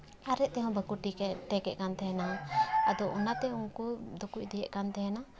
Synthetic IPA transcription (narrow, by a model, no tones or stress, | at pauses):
aɾɛt̪ɛɦɔ̃bəkuʈikɛʈ̪ɛkɛʔkant̪ɛnaad̪ɔunat̪ɛunkud̪ɔkuc̚d̪ɛjɛʔkant̪ɛɦɛna